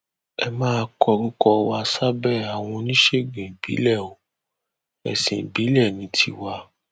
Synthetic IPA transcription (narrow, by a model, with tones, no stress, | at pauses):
ɛ˧mãː˦˧kɔ˧ɾũ˦kɔ˧wa˧sa˦bɛ˦˨a˨w̃ɔ̃˧nĩ˦ʃe˦˨ɡĩ˨bḭ˨˦lɛ˦˨o˨ | ɛ̰˨sĩ˨bi˨˦lɛ˦˨nĩ˨˦tʰi˧˦wa˧